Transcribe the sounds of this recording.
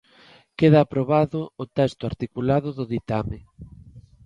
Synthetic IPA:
keðaːpɾoβaðʊːt̪ɛst̪ʊaɾt̪ikulaðʊðʊðit̪amɪ

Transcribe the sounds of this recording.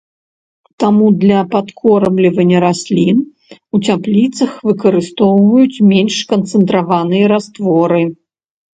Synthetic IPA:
t̪amud̪lʲɐpat̪kʰɔɾɐblʲivɐnʲːɐɾasʲlʲin | ut͡sʲaplʲit̪sɐxvɨkɐɾɨst̪ɔwvɐjut͡sʲmʲenʲʂkɐnt̪sɨnt̪ɾavanɨjɐɾast̪vɔɾɨ

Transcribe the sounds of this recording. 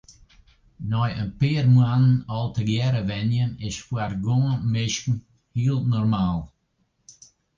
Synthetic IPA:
nɔjənpeːɾmwannɔlˠtəɡjɛɾəvɛnjənɪʃfwaɾɡɔ̃mɪʃkn̩ | hiːlˠnɔɾmalˠ

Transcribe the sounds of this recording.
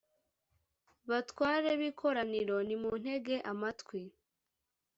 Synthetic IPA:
βatwaːɾeβikʰo̞ɾaniɾo̞nimun̥he̞ɡe̞ʔamatkwi

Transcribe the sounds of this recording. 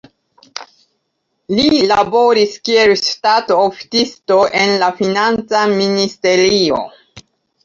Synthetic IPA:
lilabo̞ɾiskie̞lːtatofi̥tisto̞ʔe̞nlafinant͡saministe̞ɾio̰

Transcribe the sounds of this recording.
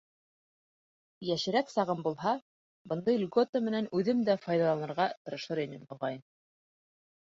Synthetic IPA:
jæʃɘ̆ɾæksɑʁɤmbulˠɦɑ | bɤ̆nd̪ɤjlʲɡot̪əmɘ̆nænʉðɘmd̪æfɑjðɑlˠɑnɤ̆ɾʁɑt̪ɤ̆ɾɤ̆ʃɤɾinɘmbŏʁɑjm

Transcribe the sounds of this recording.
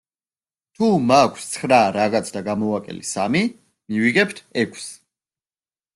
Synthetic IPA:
t̪ʰumakʷʰst̪sʰχɾaɾaɣat̪sʰd̪aɡamɔakʼɛ̰lisami | miviɡɛpʰt̪ʰɛkʰs

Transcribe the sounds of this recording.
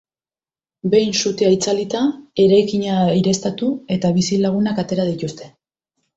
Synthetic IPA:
be̞jnsut̪eajt͡salit̪ae̞ɾajkiɲaiɾe̞st̪at̪ue̞t̪aβ̞isilaɣ̞unakat̪e̞ɾaðit̪ust̪e̞

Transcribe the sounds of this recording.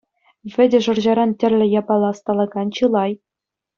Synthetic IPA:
ʋʲɘ̆dʲɘ̆ʐɤ̆rʑɑɾɑntʲɘ̆rʲlʲɘ̆jɑbɑlˠɑst̪ɑlˠɤ̆ɡɑnt͡ɕɯlˠɑj

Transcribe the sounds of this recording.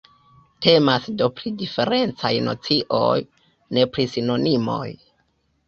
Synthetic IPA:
te̞masdo̞pɾidife̞ɾe̞nt͡sajno̞̰t͡siʔo̞̰j | ne̞pɾisino̞nimo̞̰j

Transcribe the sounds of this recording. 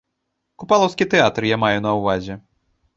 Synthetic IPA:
kupalˠɐwskʲit̪ɛat̪rjamajunɐwvazʲɛ

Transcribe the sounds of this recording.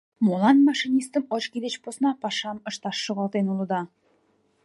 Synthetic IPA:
molˠɑnmɑʃinʲist̪əmot͡ɕkʲid̪et͡ɕposnɑpɑʃɑmɤ̆ʃt̪ɑʃːəʁɑlˠt̪enulˠud̪ɑ

